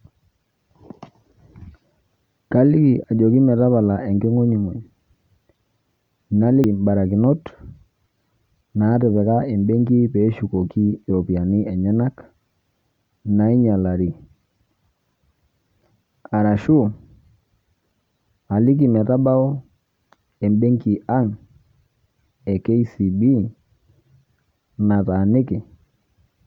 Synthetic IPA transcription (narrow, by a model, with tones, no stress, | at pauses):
ka˦li˦˨a˨d͡ʒo˨ki˦mɛ˨ta˦βa˨la˨ʔɛ˨ŋɡɪ˦ŋo˦ɲi˨ŋo˨ɲ | na˦li˦˨ba˨ɾa˨kɪ˨nɔ˦t | na˨˦ɾɪ˨pɛ˨ka˦i˨mbɛ˦ŋɡi˦pɛ˨˦ʃu˨ko˨ki˦˨o˨pi˨a˨ni˦ɛ˨ɲɛ˦na˦k | na˨˦i˦ɲa˨la˨ɾi˨ | a˨ɾa˨ʃu˦ | a˨li˦ki˨mɛ˨ɾa˦ba˦ɔ˦ | ɛ˨mbe˦ŋki˨ʔa˦ŋ | ɛ˨ke˦i˦si˨bi˦ | na˨ta˨nɪ˦kɪ˨